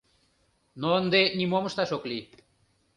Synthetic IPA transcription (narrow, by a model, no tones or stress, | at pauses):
nond̪enimomst̪aʃokli